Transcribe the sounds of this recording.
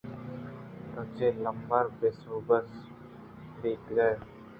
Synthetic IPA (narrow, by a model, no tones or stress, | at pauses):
t̪oːt͡ʃeːləmbəɾbɪsoːbəs | d̪eːkɡəj